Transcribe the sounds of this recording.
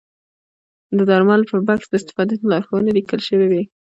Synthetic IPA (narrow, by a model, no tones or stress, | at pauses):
d̪əd̪ɑɾmalpəɾbaksd̪əɪst̪ɪ̥fɑd̪at̪lɑɾxowənelikəlʃəwewe